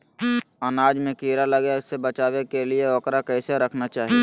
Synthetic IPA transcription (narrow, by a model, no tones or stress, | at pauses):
ənaːd͡ʒmẽkiːɾaləɡasebət͡ʃaːwekelieɔːkɾakɛːseɾəkʰnat͡ʃaːɦie